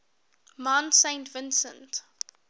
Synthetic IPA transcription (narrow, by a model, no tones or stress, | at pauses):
mãntsẽɪ̃ntvɪ̃nsə̰̃nt